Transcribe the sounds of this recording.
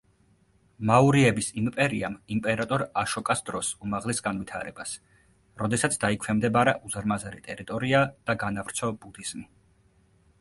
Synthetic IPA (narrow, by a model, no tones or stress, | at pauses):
mauɾiɛbisimpʼɛɾiamimpʼɛɾat̪ʼɔɾaʃɔkʼasd̪ɾɔsumaʁlɛsɡanvit̪ʰa̰ɾɛbas | ɾɔd̪ɛsat̪sʰd̪̥aikʰwɛmd̪ɛbaɾaʔuzɾmazaɾḭt̪ʼɛɾit̪ʼɔɾiad̪̥aɡanavɾt̪sʰɔbud̪iz̥mi